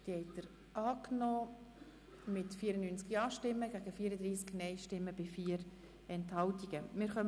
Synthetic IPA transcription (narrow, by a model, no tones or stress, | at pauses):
tiɛɪtəɾ | ʔɑːknɔː | mɪtfiːəɾənːyːnt͡skɑːʃtɪmːəɡæːɡəfiːəɾəd̪ɾiːsknɛɪʃtɪmːəbɪfiːəɾ | ɛnthɑltiɡ̥əmɪɾχœm